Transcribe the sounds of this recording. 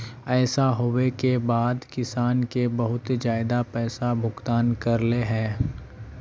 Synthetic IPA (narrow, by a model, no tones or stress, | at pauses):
ɛːsaɦoːwekebaːd̪kɪsaːnkebɐɦʊt̪d͡ʒaːɪd̪apɛːsabʱʊɡt̪aːnkɐɾleɦɛ̃ː